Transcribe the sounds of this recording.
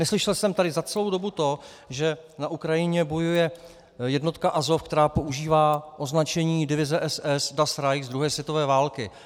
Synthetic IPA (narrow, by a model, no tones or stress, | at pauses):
nɛslɪʃɛlsɛmt̪adɪzat͡sɛlo̞wdo̞but̪o̞ | ʒɛnaʔukɾajɪɲɛbo̞jujɛ | jɛdno̞t̪kaʔazo̞fkt̪ɛɾaːpo̞ʔuʒiːvaːʔoznat͡ʃɛɲiːdɪvɪzɛʔɛsɛsdasɾajzd̪ɾuɦɛːsvjɛt̪o̞vɛːvaːlkɪ